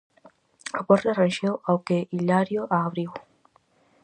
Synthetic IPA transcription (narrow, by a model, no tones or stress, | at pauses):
apoɾt̪arenʃewawkeilaɾjoʔaːβɾiw